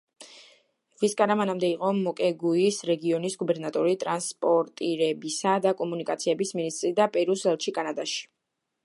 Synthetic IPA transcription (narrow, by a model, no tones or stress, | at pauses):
viskʼanamanamd̪ɛiqʼɔmɔkʼɛɡuisɾɛɡiɔnisɡubɛɾnat̪ʼɔɾit̪ʼɾanspʼɔɾt̪ʼiɾɛbisad̪akʼɔmunikʼat̪sʰiɛbisminist̪ʼɾid̪apʼɛɾusɛlˠtt͡ʃʰikʼanad̪aʃi̥